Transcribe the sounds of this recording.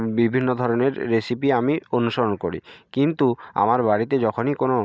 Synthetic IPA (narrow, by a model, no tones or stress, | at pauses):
bibʱinːod̪ʱɔɾɔneɾːesipiamionuʃɔɾɔnkoɾḭkint̪ua̰maɾbaɽit̪ed͡ʑɔkʰonikono